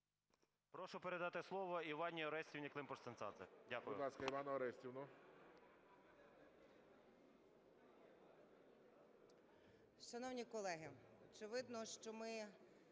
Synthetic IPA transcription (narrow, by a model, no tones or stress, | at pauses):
pɾɔʃʊpeɾed̪ɑt̪ɪslˠɔʋɔiʋɑnʲiɔɾɛsʲtʲiwnʲiklˠɪmpɔst̪ɐnt̪ɑ̰d̪zɛ̰dʲakʊjʊlˠɑskɐiʋɑnɔɔɾɛsʲtʲiwnɔ | ʃɐnɔwnʲikɔlˠɛɦɪɔt͡ʃɪʋɪd̪nɔʃt͡ʃɔmɪ